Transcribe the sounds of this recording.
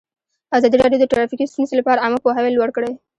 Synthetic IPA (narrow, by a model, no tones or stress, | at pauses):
azɑd̪iɾɑɖijod̪əʈɾafikist̪unselapɑɾaamapoɦawelwaɽkɽe